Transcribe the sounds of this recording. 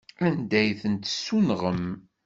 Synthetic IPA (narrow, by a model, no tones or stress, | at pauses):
ænd̪æjθənt̪sːunʁəm